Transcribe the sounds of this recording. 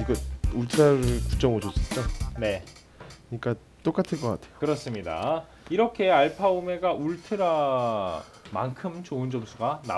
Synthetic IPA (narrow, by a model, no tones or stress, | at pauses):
iɡʌuɭtʰɯɾaɾɯɭku̥t͡ɕ͈ʌŋɯd͡ʑos͈ɯk͈ane̞ | kɯɲik͈a | t͈ok͈atʰɯnk͈ʌk͈a̰tʰejokɯɾʌs͈ɯmɲida̰ | iɾʌkʰe̞aɭpʰaume̞ɡauɭtʰɯɾa | ma̰nkʰɯmt͡ɕoɯnd͡ʑʌmsʰuɡana̰